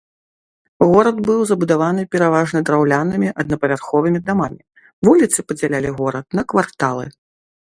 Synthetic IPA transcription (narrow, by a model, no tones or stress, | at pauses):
ɣɔɾɐd̪bɨwzɐbud̪avanɨpʲɛɾavaʐnɐd̪ɾawlʲanɨmʲiʔɐd̪̚nɐpɐvʲarxɔvɨmʲid̪amamʲi | vulʲit̪sɨpɐd͡zʲalʲalʲiɣɔɾɐt̪̚nɐkvart̪alˠɨ̰